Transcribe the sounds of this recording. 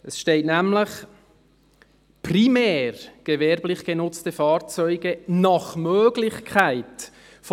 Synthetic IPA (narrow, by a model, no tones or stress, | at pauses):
əsʃtɛɪtnæmləχ | primɛːrɡ̥əvɛɾblɪχɡ̥ənʊt͡stəfɑːɾt͡sœʏɡənɑχmøːɡ̥lɪχkʰaɪt | f